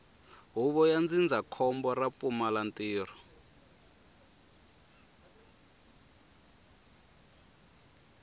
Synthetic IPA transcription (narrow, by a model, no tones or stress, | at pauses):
ɦuβɔjand͡zind͡zʱakʰɔmbɔrap̪fumalantʼiːrɔ